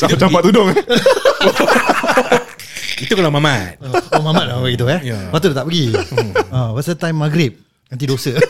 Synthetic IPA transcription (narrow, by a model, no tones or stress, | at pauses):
at͡ʃapat̪̚ːudʊŋ | it̪ukalamãmat̪̚omãmat̪̚aaɡit̪uapat̪udət̪aʔpəɡi | ə̃wasət̪ãjmːaɡɾɪp̚ | nãnt̪̬idosə